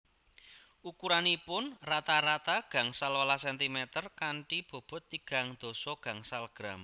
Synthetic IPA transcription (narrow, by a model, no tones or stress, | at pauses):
ʔukuɾanipʊnrat̪aɾat̪aɡ̥a̤ŋsalwalasɛnt̪imɛt̪ərkaɳʈib̥o̤b̥ɔ̤t̪ːiɡ̥a̤ŋd̪̥o̤sɔɡ̥a̤ŋsalɡ̥ɾam